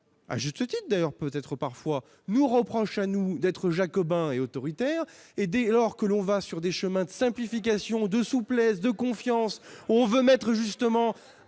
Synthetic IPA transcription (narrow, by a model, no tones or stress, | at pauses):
a̰ʒyst̪ət̪it̪d̪ajœʁpøt̪ɛt̪χəpaʁfwa | nuʁəpχɔʃanud̪ɛt̪χəʒakɔbɛ̃eot̪ɔʁit̪ɛːʁed̪elɔʁkəlɔ̃vasyʁd̪eʃəmɛ̃d̪əsɛ̃plifik̬ʲasjɔ̃d̪əsuplɛsd̪əkɔ̃fjɑ̃suɔ̃vømɛt̪χəʒyst̪əmɑ̃